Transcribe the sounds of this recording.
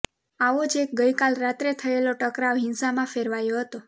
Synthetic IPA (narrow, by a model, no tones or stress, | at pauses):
aʋod͡ʒek̚ɡəjkalɾat̪ɾet̪ʰəeloʈəkɾaʋɦɪnsamãfeɾʋajoɦət̪o